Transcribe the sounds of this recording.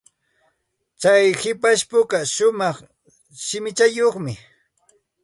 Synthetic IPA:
t͡sajhɪpaʃpʊkaʃʊmɑχ | ʃɪmɪt͡ʃajoχmɪ

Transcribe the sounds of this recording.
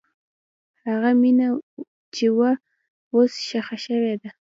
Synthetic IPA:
haɣamina | t͡ʃewa | osʃaxaʃəwed̪a

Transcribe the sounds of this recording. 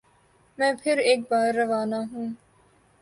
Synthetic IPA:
mɛ̃ːpʰɪɾeːk̚baːɾːɐʋaːnaɦũː

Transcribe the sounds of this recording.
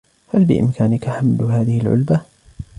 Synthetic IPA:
halbɪ̰ʔɪ̰mkaːnɪkaħamlɦaːðɪhɪlʕʊ̰lba

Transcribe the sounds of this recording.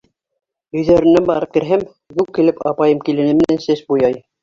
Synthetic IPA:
ɵ̆jðæɾɘ̆nːænbɑɾɤp̚kɘ̆ɾɦɘm | ɡʉwkːɘ̆lɘpɑ̰pɑjɤmkilɘ̆nɘmɘ̆nænsɘsbujɑj

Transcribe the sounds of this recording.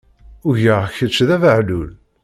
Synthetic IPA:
ʊʝəʁçət͡ʃːðævəʕlul

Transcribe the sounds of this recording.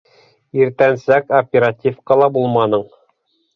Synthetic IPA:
iɾt̪ænsækopʲeɾatʲifqɑlˠɑbulˠmɑnɤɴ

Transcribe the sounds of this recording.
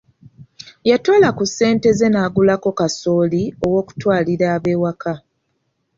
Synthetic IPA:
jatolakusːe̞ːnte̞ze̞naːɡulako̞kaso̞ːlio̞wo̞ːku̥twaːliɾaːβe̞ːwakʰa

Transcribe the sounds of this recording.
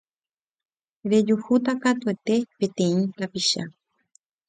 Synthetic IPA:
ɾe̞d͡ʒuhut̪akat̪ue̞t̪e̞pẽt̪ẽ̞ĩt̪apiʃa̰

